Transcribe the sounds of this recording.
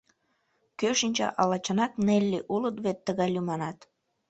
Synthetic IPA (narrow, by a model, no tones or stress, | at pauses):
køʃinʲt͡ɕɑ̰ʔɑlɑt͡ɕɑnɑknelʲːeʔulət̪βet̪ːəɣɑlʲymɑnɑt̪